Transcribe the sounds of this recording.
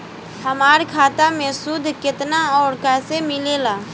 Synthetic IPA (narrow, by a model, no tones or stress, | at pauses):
həmaːɾkʰaːt̪amẽsʊd̪ʱkɪt̪naɔːɾkɛːsemɪleːlaː